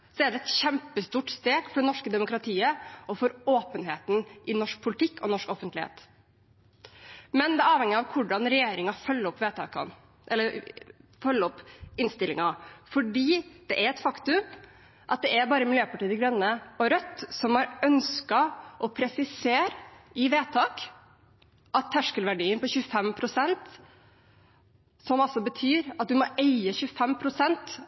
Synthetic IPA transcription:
sɔɛɖɛɛt̪çɛmpəst̪uːʈst̪eːɡfɔɖɛnɔʂkəd̪ɛmʊkɾɑt̪ʰiːəɔfɔɾoːpənheːt̪nʔɪnɔʂk̚pʰʊlɪt̪ʰɪkːɔnɔʂkɔfənt̪lɪhḛːt̪ | mɛnd̪ɛæɑːʋhɛŋːəɑʋkʰʊɖɑnɾɛjeːɾɪŋɑfœlːəɾɔpːʋeːt̪ʰɑ̰ːkʰɑ̰n | ʔɛlːəɾfœlːəɔpɪnst̪ɪlːɪŋɑfɔɖiːd̪̥ɛʔæɾɛt̪fɑkt̪ʉm | ʔɑt̪̚d̪ɛæɾbɑːɾəmɪljøːpɑʈiːd̪əɡɾɛnːəɔɾœt̪ːsɔmhɑɾœnskɑʔɔpʰɾɛsɪseːɾɪʋeːt̪ʰɑːk | ʔɑt̪ʰːæʂkəlʋæɖiːənpɔɕʉːəfɛmpʰɾʊsɛnt̪ | sɔmɑlsɔbət̪ʰyːɾɑt̪̚d̪ʉmɔʔæɪəçʉːəfɛmpʰɾʊsɛnt̪

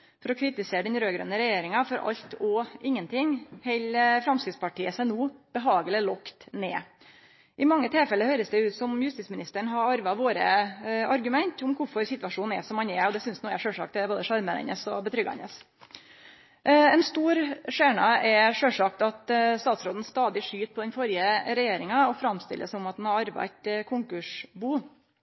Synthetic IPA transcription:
fɔɾɔkʰɾɪt̪ɪseːɾəɖ̪ɛnɾøːɡɾœ̰nəɾɛjeːɾɪŋɑfɔɾɑ̰ʎt̪ɔʔɪŋːənt̪ʰɪŋhɛɪləfɾɑmskɾɪt̪spʰɑʈiːəsæɪnuːb̥əɦɑːɡəlɪlɔkt̪neː | ʔɪmɑŋːət̪ʰɛlfɛlːəɾhøːɾəsd̪ɛʉːt̪sɔmjʉst̪ismɪnɪst̪əɳɦɑɾɑɾʋɑʋoːɾəɑɾɡʉmɛnt̪ʊmkʰʊɾfɔɾsɪt̪ʋɑʂuːnɛsɔmhɑnɛɔd̪ɛsʏnsnuːɛʂøːlʂɑ̰k̚t̪ɛboːd̪əʂɑɾməɛ̰nəsɔbət̪ʰɾʏɡɑ̰nəs | ɛnst̪uːɾʂeːɳɑɛʂøːlʂɑk̚t̪ɑt̪st̪ɑːt̪sɾoːd̪n̩st̪ɑːd̪ɪʂyːt̪̚pʰɔd̪ɛnfɔɾjəɾɛjeːɾɪŋɑɔfɾɑmst̪ɪ̰lʔəsɔmɑt̪̚d̪nhɑɾɑɾʋɑ̰t̪kʰʊŋkʉʂbuː

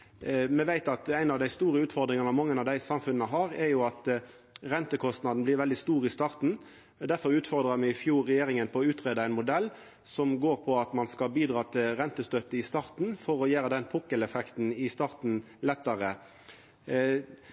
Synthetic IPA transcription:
mɛʋæɪt̪ɑt̪æɪnɑʋd̪æɪst̪uːɾəʉːt̪fɔʁd̪ɾɪŋɑnɑmɑŋːənɑʋd̪æɪsɑmfʉnːəɦɑʁɛɾjʊɑt̪ | ʁɛnt̪əkʰɔst̪nɑd̪n̩b̪lɪɾʋɛld̪ɪst̪uːʁɪst̪ɑːʁt̪n̩ | d̪æɾfɔɾʉːt̪fɔʁd̪ɾəmɛɪfjuːɾːɛjeːɾɪŋənpʰɔɔʉːt̪ʁeːd̪əæɪnmʊd̪ɛlː | sɔmɡoːɾpʰɔɑt̪mɑnskɑbiːd̪ʁɑːt̪ʰɪlɾɛnt̪əst̪øːt̪ːəɪst̪ɑːʁt̪n̩fɔɾɔjæːɾəd̪ɛnpʰʊkːəlɛfɛkt̪n̩ɪst̪ɑːʁt̪n̩ | lɛt̪ːəʁə

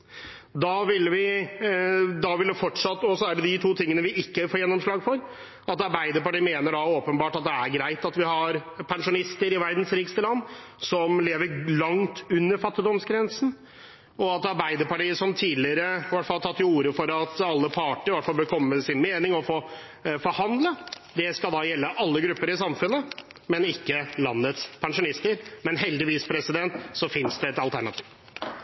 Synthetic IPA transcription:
d̪ɑːʋɪlːʋɪ | d̪ɑʋɪld̪ɛfɔʈʂɑt̪ːɔsɔæɖɛd̪ɪt̪ʰuːt̪ʰɪŋːənəʋɪʔɪkːəfoːjɛnːɔmʂlɑːɡfɔɾ | ɑt̪ɑɾbæɪd̪əɾpɑʈiːəmeːnəɖɑoːpənbɑːʈɑt̪̚d̪ɛæɾɡɾæɪt̪ɑt̪ʋɪɦɑɾpʰɛnʂʊnɪst̪əɾɪʋæɾd̪n̩sɾiːkst̪əlɑnː | sɔmleːʋəɾlɑŋt̪ʰʉnːəɾfɑt̪ːɪd̪ɔmsɡɾɛnsn̩ | ɔɑt̪ɑɾbæɪd̪əɾpɑʈiːəsɔmt̪ʰiːlɪəɾəʋæʈfɑlt̪ʰɑt̪ːɪuːɾəfɔɾɑt̪ɑlːəpʰɑːʈɪʋæʈfɑlbəkʰɔmːəsɪnmeːnɪŋɔfoː | fɔɾhɑnd̪lə | d̪ɛskɑld̪ɑːjɛlːəʔɑlːəɡɾʉpːəɾɪsɑmfʉnːə | mɛnɪkːəlɑnːət̪spʰɛnʂʊnɪst̪əɾmɛnɦɛld̪ɪʋiːspʰɾɛsɪd̪ɛnt̪sɔfɪnsd̪ɛɛt̪ɑlt̪ʰæɳɑt̪ʰi̥ːʋ

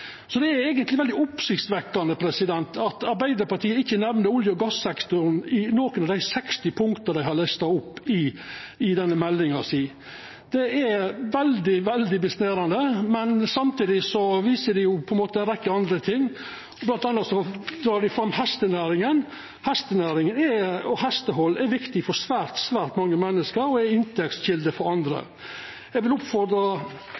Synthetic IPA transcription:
sɔd̪ɛæɾɛːɡənt̪lɪʋɛld̪ɪʊpsɪkt̪sʋɛkːɑnəpʰɾɛsɪd̪ɛnt̪ʰɑt̪ɑɾbæɪd̪əɾpɑʈʰiːəɪçːənɛʋnəɾʊljəɔɡɑsɛkt̪ʊɾnɪnoːkənɑʋd̪æɪsɛkst̪ɪpʰʊŋkt̪əd̪æɪhɑlɛst̪ɑʊpːɪɪd̪ɛnːəmɛlːɪŋɑsiː | d̪̥ɛæʋɛld̪ɪʋɛld̪ɪbɪsneːɾɑnd̪əmɛnsɑmt̪iːd̪ɪsɔʋiːsəɖɪjʊpʰɔɛnmoːt̪əɛnɾɛkːəɑnd̪ɾət̪ʰɪŋː | ɔblɑnt̪ɑnːɑt̪sɔd̪ɾɑːɖɪfɾɑmːhɛst̪ənæːɾɪŋən | hɛst̪ənæːɾɪŋənɛɔhɛst̪əɦɔlːɛɾʋɪkt̪ɪfɔɾsʋæːɾt̪sʋæːɾt̪mɑŋːəmɛnːəskəɾɔɛɪnt̪ʰɛksɕɪld̪əfɔɾɑnd̪ɾə̰ | ɛɡʋɪlʊpfɔɾd̪ɾɑ

